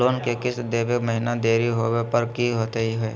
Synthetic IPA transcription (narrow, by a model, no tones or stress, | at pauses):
loːnkekɪsd̪eːʋekməɦɪnad̪eːɾiɦoːwepɐɾkiɦoːt̪eɦiɦɛː